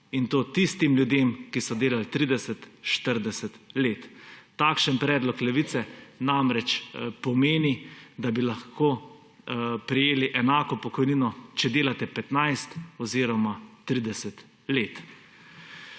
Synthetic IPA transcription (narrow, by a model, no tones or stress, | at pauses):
int̪oːt̪ist̪imlʲjud̪eːmkisɔd̪eːlalt̪ɾid̪ɛsɛt̪ʃt̪əɾd̪ɛsɛt̪leːt̪ːakʃənpɾɛːd̪lɔklɛʋit̪sɛnamɾɛt͡ʃpɔmeːnid̪abilaxkoː | pɾijeːliʔɛnaːkɔpɔkɔjninɔt͡ʃɛd̪eːlat̪ɛpɛt̪najst̪ɔziːɾɔmat̪ɾid̪ɛsɛt̪ | leːt̪